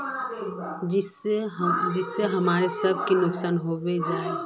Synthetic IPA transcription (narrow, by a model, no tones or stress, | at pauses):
ɪs | d͡ʒɪsːeɦɐmaːɾesɐb̚ʱkinʊksaːnɦobed͡ʒaːe